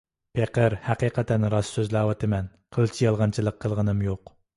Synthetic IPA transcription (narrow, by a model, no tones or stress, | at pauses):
pʰeqʰəɾhæqiːqʰɛt̪ʰɛnɾɑsːøzlæːwɑt̪ʰɪmɛn | qʰəlˠt͡ʃʰijɑlˠʁɑnt͡ʃʰilˠəqʰːəlˠʁənɨmjoq